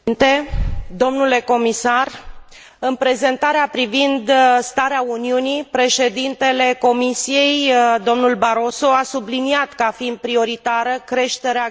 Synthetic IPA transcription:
nt̪e̞d̪o̞mnule̞ko̞misar | ɨnpɾe̞ze̞nt̪aɾeapɾivind̪st̪aɾeauniunipɾe̞ʃe̞d̪int̪e̞le̞ko̞misije̞jd̪o̞mnulbaɾo̞so̞asubliniat̪kəafind̪̚pɾio̞ɾit̪aɾəkɾe̞ʃt̪e̞ɾea

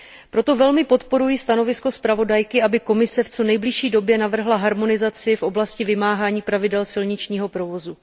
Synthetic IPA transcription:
pɾo̞t̪o̞vɛlmɪpo̞t̪po̞ɾujist̪ano̞vɪsko̞spɾavo̞dajkɪʔabɪko̞mɪsɛft͡so̞nɛjblɪʃiːdo̞bjɛnavr̩ɦlaɦaɾmo̞nɪzat͡sɪfʔo̞blascɪvɪmaːɦaːɲiːpɾavɪdɛlsɪlɲɪt͡ʃɲiːɦo̞pɾo̞vo̞zu

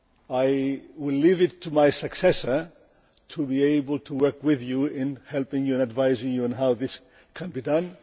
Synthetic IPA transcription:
ajwɪllivɨtʰːumajsɨksɛsə˞ | tʰubieɪbəl̩ˠtʰuwɜ˞kwɪðjuɪ̃nhɛlˠpɪ̃ŋjuɨ̃nɨdvaɪzɪ̃ŋjuə̃nɦawðɪs | kʰə̃nbidʌ̃n

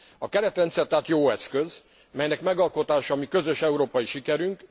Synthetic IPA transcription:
ɒkɛɾɛt̪rɛnt̪sɛrt̪aːt̪joːɛskø̞z | mɛjnɛkmɛɡɒlko̞t̪aːʃɒːmikø̞zø̞ʃɛuɾoːpɒjiʃikɛɾyŋk

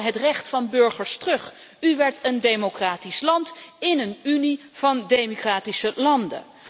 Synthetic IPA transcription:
ɦətrɛχtfɑnbɵɹχəɹstrɵχ | yʋɛɹtəndejmokraːtislɑntɪnənyni | v̥ɑndejmokraːtisəlɑndə̰

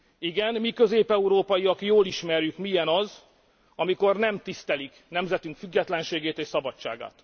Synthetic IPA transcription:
iɡɛnmikø̞zeːpɛuɾoːpɒjiɒkjoːliʃmɛrjykmijɛnɒz | ɒmiko̞rnɛmt̪ist̪ɛliknɛmzɛt̪yŋkfyɡːɛt̪lɛnʃeːɡeːt̪eːʃsɒbɒt͡ʃt͡ʃːa̰ːɡa̰ːt̪

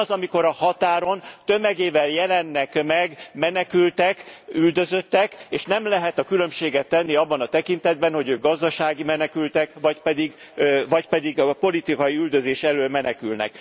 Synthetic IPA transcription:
zɒmiko̞ɾɒhɒt̪aːɾo̞nt̪ø̞mɛɡeːvɛljɛlɛnːɛkmɛɡmɛnɛkylt̪ɛkyld̪ø̞zø̞t̪ːɛkeːʃnɛmlɛɦɛt̪ɒkylø̞mʃeːɡɛt̪ːɛnːiɒbːɒnɒt̪ɛkint̪ɛd̪̚bɛnho̞ɟøːɡ̚ɡɒzd̪ɒʃaːɡimɛnɛkylt̪ɛkvɒcpɛd̪iɡ | vɒcpɛd̪iɡpo̞lit̪ikɒjiyld̪ø̞zeːʃɛløːlmɛnɛkylnɛ̰k

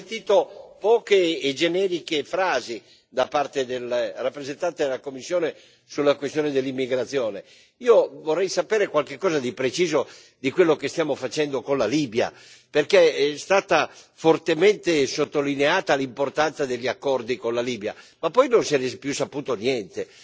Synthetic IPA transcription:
t̪iːt̪opɔːkeːd͡ʒenɛːɾikefɾaːzi | d̪apart̪ed̪elrapːɾezent̪ant̪ed̪elakomːisːjoɔːne | sulːakwest̪joːned̪elːimːiɡɾat̪sːjɔːne | iːovorːɛjsapɛːɾekwalk̟ekːɔːzad̪ipɾet͡ʃiːzo | d̪ikwelːokest̪jaːmofat͡ʃɛnd̪okonlaliːbja̰ | perkest̪aːt̪afort̪ement̪esot̪ːolineaːt̪alimport̪ant̪sad̪eʎːakːɔrd̪ikonlaliːbja̰mapːɔjnonsɛɾɛpjusːapuːt̪onjɛnt̪e

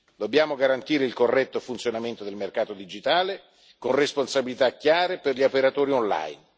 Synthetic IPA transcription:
d̪obːjaːmoɡaɾant̪iːɾeilkorːɛt̪ːofunt̪sjonament̪od̪elmerkaːt̪od̪id͡ʒit̪aːle | konresponsabilit̪akjaːɾeperʎiopeɾat̪oːɾiɔnla̰jn

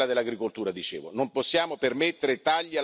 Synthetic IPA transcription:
ad̪elːaɡɾikolt̪uːɾad̪it͡ʃḛːvonomposːjaːmopermet̪ːeɾet̪aʎːia

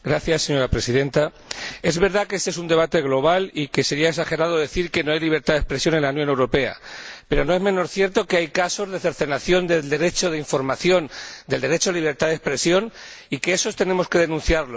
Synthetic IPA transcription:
ɡɾaθjasːe̞ɲo̞ɾapɾe̞siðe̞nt̪a | e̞zβe̞ɾðakeesee̞sund̪e̞β̞at̪e̞ɣlo̞β̞alike̞se̞ɾiaeksaxe̞ɾað̞oðe̞θiɾke̞no̞ajliβ̞e̞ɾt̪aðespɾe̞sjo̞ne̞nlaunjo̞ne̞wɾo̞pe̞a̰pe̞ɾo̞no̞e̞zmẽ̞no̞ɾθje̞ɾt̪o̞keajkaso̞zðe̞θe̞ɾθe̞naθjo̞nd̪e̞ld̪e̞ɾe̞t͡ʃo̞ðeiɱfo̞ɾmaθjo̞nd̪e̞ld̪e̞ɾe̞t͡ʃoaliβ̞e̞ɾt̪aðespɾe̞sjo̞n | ike̞eso̞st̪e̞nẽ̞mo̞ske̞ð̞e̞nũnθjaɾlo

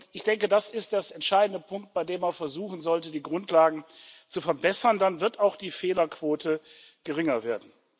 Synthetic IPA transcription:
tɪçd̥ɛŋkədasɪstd̥eːɐɛntʃaɪdn̩dəpʰʊŋk̚t̚b̥aɪdeːmːanfɛɐzuːxn̩zɔltədiːɡʁʊntʰlaːɡŋ̩t͡sufɛɐbɛsɐndanvɪɐtaʊxd̥iːfeːlɐkv̥oːtʰə | ɡ̥əʁɪŋɐveːɐdn̩

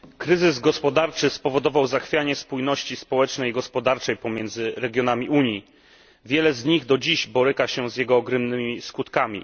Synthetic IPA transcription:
kɾɘzɘzɡɔspɔd̪aɾt͡ʂɘspɔvɔd̪ɔvawzaxfʲjaɲɛspujnɔɕt͡ɕispɔwɛt͡ʂnɛjiɡɔspɔd̪aɾt͡ʂɛjpɔmʲjɛnd̪zɘɾɛɡʲjɔnamʲiʔuɲji | vʲjɛlɛzɲiɣd̪ɔd͡ʑiʑbɔɾɘkaɕɛzjɛɡɔːɡɾɛmnɘmʲiskut̪kamʲḭ

